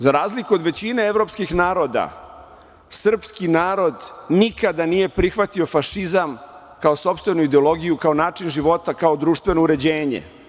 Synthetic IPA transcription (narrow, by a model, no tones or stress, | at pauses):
zaɾaːzlikuo̞d̪ʋe̞t͡ɕineeʋɾo̞pskixnaːɾo̞d̪a̰ | sr̩pskinaːɾo̞d̪nikad̪anije̞pɾixʋat̪io̞faʂizam | kaoso̞pst̪ʋe̞nuid̪eo̞lo̞ɡijukaonaːt͡ʂinʒiʋo̞t̪akaod̪ɾuːʃt̪ʋe̞nouɾe̞d͡ʑeːɲḛ